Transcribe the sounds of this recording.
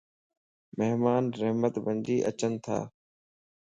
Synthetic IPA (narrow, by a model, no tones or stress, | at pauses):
meɦmaːnɾəɦmət̪bʱənd͡ʒiːʔət͡ʃənt̪ʰa̰ː